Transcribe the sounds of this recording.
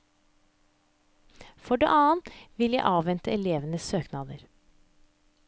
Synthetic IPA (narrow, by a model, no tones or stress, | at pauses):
fɔɖḛːʔɑːənt̪ʋɪljæɪʔɑːʋʋɛnt̪əɛleːʋənəsøːknɑːd̪əɾ